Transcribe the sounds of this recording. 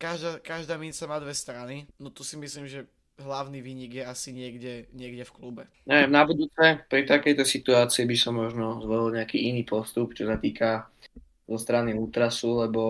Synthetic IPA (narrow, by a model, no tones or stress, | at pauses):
kaʒd̪aːkaʒd̪aːmint͡samaːd̪ʋɛst̪ɾaninɔt̪usimisliːmʒɛ | ɦlaʊniːʋiːɲiɡjɛasiɲɪɛɡɟɛɲɪɛɡɟɛfklubɛ | ɲɛʋjɛmnabud̪uːt͡sɛpɾit̪akɛjt̪ɔsit̪uaːt͡siibisɔmːɔʒnɔzʋɔlilɲɛakiːiniːpɔst̪upt͡ʃɔsat̪iːka | zɔst̪ɾaniuːt̪ɾasulɛbɔ